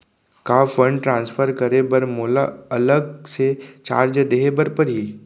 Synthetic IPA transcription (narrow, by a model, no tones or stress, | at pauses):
kafə̃ɳɖ̚ʈɾãnsfʰəɾkəɾebəɾmolaələɡ̚set͡ʃa̰ːɾd͡ʒəd̪eɦebəɾpəɾɦiː